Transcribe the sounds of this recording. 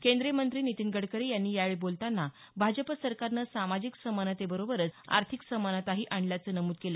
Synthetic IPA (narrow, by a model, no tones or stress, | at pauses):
kend̪ɾemənt̪ɾiːnit̪inɡəɽkəɾejanːiːjaʋeɭbolt̪anːa | bʱad͡ʑəpəsəɾkaɾnəsamad͡ʑiksəmanət̪ebəɾobəɾət͡sa̰ɾt̪ʰiksəmanət̪aɦiːʔaɳɖljat͡səːnəmuːd̪̚kelə